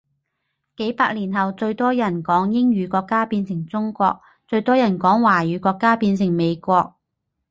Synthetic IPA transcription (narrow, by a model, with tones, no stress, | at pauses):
ke˨˥jpaː˧k̚liː˨˩nɦɐ˨wt͡sɵ˧ɥt̪ɔː˥jɐ˨˩nkɔː˨˥ŋjɪ˥ŋɥyː˨˧kɔː˧kːaː˥piː˧nsɪ˨˩ŋt͡sʊ˥ŋkʷɔː˧k̚ | t͡sɵ˧ɥt̪ɔː˥jɐ˨˩nkɔː˨˥ŋwaː˨˩jyː˨˧˥kɔː˧kːaː˥piː˧nsɪ˨˩ŋme˨˧jkʷɔː˧k̚